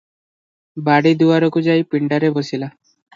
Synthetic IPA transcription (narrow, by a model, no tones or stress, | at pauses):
baɽid̪uwaɾɔkud͡ʒajpiɳɖaɾebosila